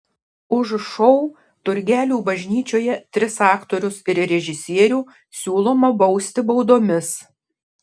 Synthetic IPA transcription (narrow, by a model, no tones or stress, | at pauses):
ʊʃʃɔʊ | t̪ʊɾʲɡʲæːlʲuːbɐʒʲnʲiːt͡ʃʲoːjɛt̪ʲɾʲɪsɑːkt̪oːɾʲʊsɪɾɾʲɛʒʲɪsʲiɛɾʲuː | sʲuːlˠoːmɐbɒʊsʲt̪ʲɪbɔʊd̪oːmʲɪs